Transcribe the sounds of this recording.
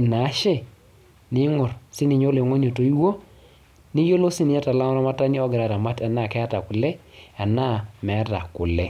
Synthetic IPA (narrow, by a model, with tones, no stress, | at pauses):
na˨˦ʃɛ˦˨ | nɪ˦ŋɔ˨ɾsɪ˦ni˨ɲo˦le˨ŋo˦n˦o˨to˨i˦wo˦ | ni˦jo˦lo˦sɪ˦nɪ˨ɲa˦ta˨la˦ŋɔ˦na˦ma˦ta˦ni˦ɔ˦ɡɪ˨ɾa˨ta˨ma˦ta˨na˦˨kɛ˦a˦ta˨kʊ˨lɛ˦a˨na˦mɛ˨˦ta̰˨kʊ˨lɛ˦